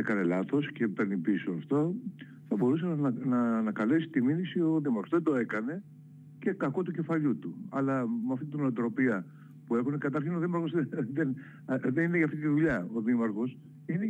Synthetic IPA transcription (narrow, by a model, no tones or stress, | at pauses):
ekɐne̞lɐθo̞sce̞peɾnipisoɐft̪o | θɐbo̞ɾusennɐːnɐkɐlesi̥t̪iminisio̞ðimɐɾɣozðed̪o̞e̞kɐne̞ | ce̞kɐko̞t̪uce̞fɐʎut̪uɐ̰lɐmɐft̪it̪inoɐt̪ɾo̞piɐ | pue̞xune̞kɐt̪ɐɾçino̞ðimɐɾɣo̞zeðen | ðenineʝɐft̪it̪iðuʎɐoðimɐɾxo̞s | ine